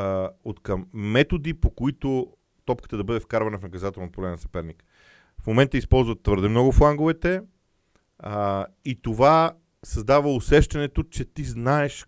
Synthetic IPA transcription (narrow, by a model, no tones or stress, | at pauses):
ot̪kɐmːɛt̪od̪ipokoit̪o | t̪ɔpkə̥t̪əd̪ɐbɤd̪ɛfkaɾvɐnəfnɐkɐzat̪ɛlˠnot̪polɛnsɐ̥pɛɾnik | fmomɛnt̪əispɔlˠzvət̪ːvɤɾd̪ɛmnɔɡʊflˠaŋɡovɛt̪ɛ | it̪ova | sɐzd̪avəʊsɛʃt̪ɐnɛt̪ot͡ʃɛt̪iznaɛʃ